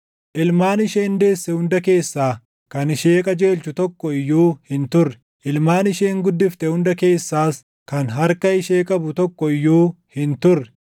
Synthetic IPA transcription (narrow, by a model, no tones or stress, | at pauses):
ʔɪlmaːnɪʃeːnd̪e̞ːsːɛhʊnd̪ɐke̞ːsːaː | kɐnɪʃe̞ːkʼɐd͡ʒe̞ːlt͡ʃʊt̪ɔkːɔɪjːuːhɪnt̪ʊrːɛ̥ | ʔɪlmaːnɪʃeːŋɡʊd̪ːɪft̪ɛhʊnd̪ɐke̞ːsːaːs | kɐnɦɐɾkɐɪʃe̞ːkʼɐbʊt̪ɔkːɔɪjːuː | hɪnt̪ʊrːɛ̥